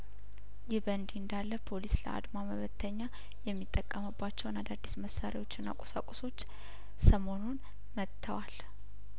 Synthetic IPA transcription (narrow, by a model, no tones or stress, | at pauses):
jɪhbənd̪iɨnd̪alːəpʰo̞lislə̰ʔa̰d̪maməβət̪ʰːəɲːa | jɛmːit̪ʼːəkʼːəməbːat͡ʃːɛwnad̪ad̪ːisməsaɾiwo̞t͡ʃːɪnːa̰kʼosa̰kʼoso̞t͡ʃː | səmo̞nun | mət̪ʰːəwal